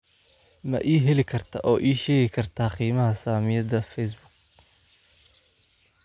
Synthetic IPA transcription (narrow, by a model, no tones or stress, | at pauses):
mɐ̰ʔiːɦɛlɪkʰɐrt̪ʰɐ̰ʔɔːʔiːʃɛːɣɪkʰɐrt̪ʰaːqiːmɐɦɐsaːmɪjɐdɐfɛjs̬bʊɡ̚